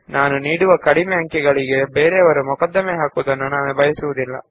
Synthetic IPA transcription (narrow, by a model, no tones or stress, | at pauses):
naːnuniːɽuʋɐkɐɽimɛɦɐŋkɛɡɐɭiɡe̞beːɾeɐʋɐɾumukɐd̪ːɐmeɦaːkuːd̪ɐnːunaːnubɐjɐsuʋud̪ilːɐ̰